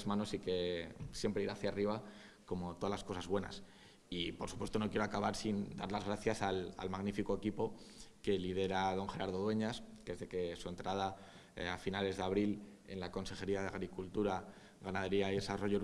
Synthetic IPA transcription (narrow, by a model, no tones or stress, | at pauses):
zmãnosike̞sje̞mpɾeiɾaθjariβa | ko̞mo̞t̪oðalasko̞sazβwe̞na̰s | ipo̞ɾsupwe̞st̪o̞no̞kjeɾo̞akaβaɾsind̪aɾlazɣɾaθjasala̰lmaɣnifiko̞e̞kipo̞ke̞lið̞e̞ɾaðo̞ŋxe̞ɾaɾðo̞ðwe̞ɲaskezðe̞ke̞sue̞nt̪ɾað̞a | afinale̞zðeaβ̞ɾile̞̰nlako̞nse̞xe̞ɾiaðeaɣɾikult̪uɾa | ɣanaðeɾiaiðe̞saro̞ʝo